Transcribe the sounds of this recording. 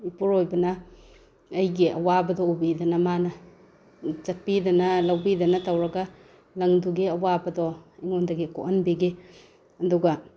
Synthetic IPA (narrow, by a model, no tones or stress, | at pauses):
ipuɾojbɐnɐː | jɡiɐ̰wabɐdɔubidɐnɐmanɐ | t͡ʃɐt̚pidɐnɐlɐwbidɐnɐtawɾɐɡa | lɐŋduɡiɐwabɐdɔiŋondɐɡiko̰ʔɐnbiɡe | ɐduɡa